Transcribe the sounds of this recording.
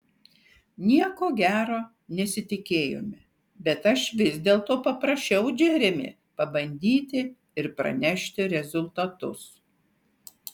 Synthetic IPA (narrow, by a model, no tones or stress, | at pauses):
nʲiɛkoːɡʲæːɾoː | nʲɛsʲɪt̪ʲɪkʲeːjo̰mʲɪ | bʲɛt̪ɐʃʋʲɪzʲd̪ʲeːlˠt̪oːpɐpɾɐʃʲt͡ʃʲɛʊd͡ʒʲɛɾʲɛmʲɪ̰ | pɐbɐnʲd̪ʲiːt̪ʲɪ | ɪɾpɾɐ̰nʲɛʃʲt̪ʲɪɾʲɛzʊlˠt̪ɐt̪ʊs